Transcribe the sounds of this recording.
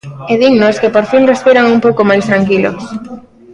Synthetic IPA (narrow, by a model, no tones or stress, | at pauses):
eðiɣnoskepoɾfinrespiɾaŋumpowkomajst̪ɾaŋkilo̰s